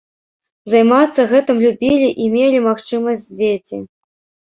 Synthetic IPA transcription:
zajmat̪sːɐɣɛt̪ɨmlʲubʲilʲiʔimʲelʲimaxt͡ʂɨmɐsʲt͡sʲd͡zʲet͡sʲḭ

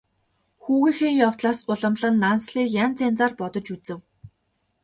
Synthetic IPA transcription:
xuːɣĭːxeːjɔw̥t̪ɮaːsʊɮə̆mɮə̆nːansɮiːkjant͡sent͡saːrpɔt̪ɞ̆t͡ɕut͡sɘ̆w

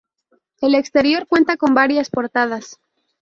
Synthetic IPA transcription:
e̞le̞kst̪e̞ɾjo̞ɾkwe̞nt̪ako̞mbaɾjaspo̞ɾt̪aðas

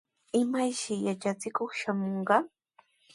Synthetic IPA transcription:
ɪmajʃɪjat͡ʃat͡sɪkoχʃamoɴɢɑ

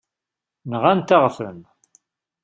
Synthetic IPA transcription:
nəʁant̪aʁfə̰m

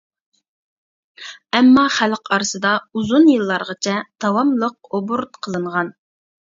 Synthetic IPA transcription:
ɛmːɑχælqɑɾɨsɨd̪ɑuzunjɨlˠːɑɾʁɑt͡ʃʰɛt̪ʰɑwɑmlˠəq̚obuɾt̪̚qʰəlˠɨɴʁɑn

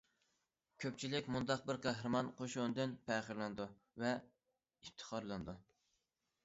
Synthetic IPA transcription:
kʲʰøp̚ʲt͡ʃʰilɪkʲmund̪ɑq̚bɪɾqʰæɦɾɨmɑnqʰoʃund̪ɪnpʰɛχəɾlˠɨnɨd̪u | vɛ | ift̪ʰə̥χʰɑɾlˠɨnɨd̪u

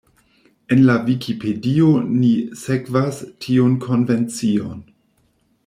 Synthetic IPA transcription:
e̞nlavikʰipʰedionisekvastʰiunkʰo̞nve̞nt͡sio̞n

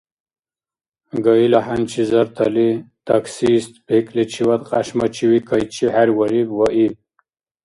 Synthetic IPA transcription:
ɡailahant͡ʃʰizɐɾt̪ʰalit̪aksist̪peklit͡ɕʰiwat̪qʼa̰ɕmat͡ɕʰiwikʰajt͡ɕʰihaɾwaɾibwaʔi

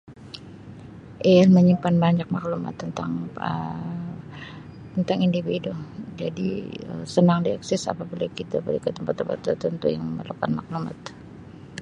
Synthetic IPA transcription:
ʔealməɲimpanbaɲak̚makluma̰t̪ːənt̪a̰ŋə | t̪ənt̪aŋindividʊd͡ʒadḭə̰sənaŋdiaksɛsa̰pabilakit̪abəɾikət̪əmpat̪ːəmpa̰t̪ːərt̪ənt̪ujaŋəməlukanmakluma̰t̪

